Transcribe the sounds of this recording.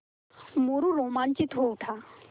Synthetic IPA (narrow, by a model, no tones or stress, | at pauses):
muɾuɾoːmaːnt͡ʃit̪oʊʈʰaː